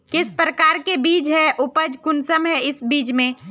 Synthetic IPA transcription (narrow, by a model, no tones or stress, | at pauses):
kɪspɾəkaːɾkebiːd͡ʒɦɛʔʊpəd͡ʒkʊnsəmɦɛɪsbiːd͡ʒmẽː